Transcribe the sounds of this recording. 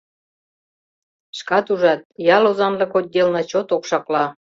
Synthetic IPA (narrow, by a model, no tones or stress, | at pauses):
ʃkɑt̪uʒɑt̪̚jɑlozɑnlɤ̆kot̚ʲd̪ʲelnɑt͡ɕot̪okʃɑklɑ